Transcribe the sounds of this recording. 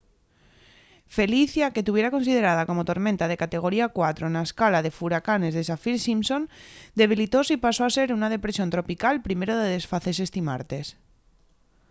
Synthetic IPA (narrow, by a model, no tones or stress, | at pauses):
fe̞liθjaket̪uβ̞je̞ɾako̞nsið̞e̞ɾað̞ako̞mot̪o̞ɾmẽnt̪að̞e̞kat̪e̞ɣ̞o̞ɾiakwat̪ɾo̞naeskalaðe̞fuɾakane̞zðes̬afilsimso̞nd̪e̞β̞ilit̪o̞sipasoase̞ɾunaðe̞pɾe̞sjo̞nt̪ɾopikalpɾime̞ɾoðeðe̞sfaθe̞se̞st̪ima̰ɾt̪e̞s